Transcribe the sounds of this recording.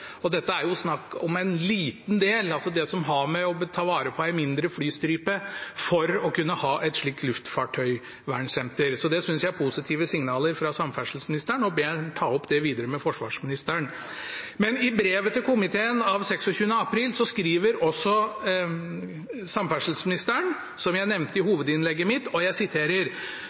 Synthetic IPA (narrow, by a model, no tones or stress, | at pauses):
ɔd̪ɛt̪ːəæɾjʊsnɑkːɔmæɪnliːt̪nd̪eːlɑlsɔd̪ɛsɔmɦɑmɛɔt̪ʰɑːʋɑːɾəpʰɔæɪmɪnd̪ɾəflyːst̪ɾyːpəfɔɾɔkʉnːəhɑːʔɛt̪ʂɭiːk̚t̪lʉft̪fɑːʈʰœʏ | ʋæɳsɛnt̪əɾsɔd̪ɛsʏnsjæɪæɾpʰusɪt̪ʰiːʋəsɪŋnɑːləɾfɾɑsɑmfæʂl̩smɪnɪst̪əɳɔbeːt̪ʰɑːɔpːd̪ɛʋiːd̪əɾəmɛfɔʂʋɑ̰ːʂmɪnɪst̪əæɳ | mɛnɪbɾeːʋət̪ʰəkʰʊmɪt̪ʰeːənɑʋsɛksɔçʉːənəɑpʰɾiːlsɔskɾiːʋəɾɔsːɔ | sɑmfæʂl̩smɪnɪst̪əɳ | sɔmjæɪnɛʋnt̪əɪhuːʋəd̪ɪnlɛɡːəmɪt̪ːɔjæɪsɪt̪ʰeːɾəɾ